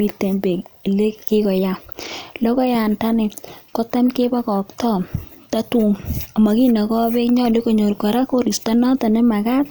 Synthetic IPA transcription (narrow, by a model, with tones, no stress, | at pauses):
i˦tːe˨mbe˨le˦ke˦kɔ˨ja˦lɔ˦kɔ˦ja˨nta˦nɪ˨kɔ˦ta˦mke˦ba˦kɔ˨ktɔ˦ | ta˦tu˦ŋa˨ma˨ki˦na˨kɔ˦be˦kɲɔ˦˨le˦ko˨ɲo˨ɾka˨ɾa˦ko˦ɾi˨sta˦nɔ˦ta˨ne˦ma˨ka˦t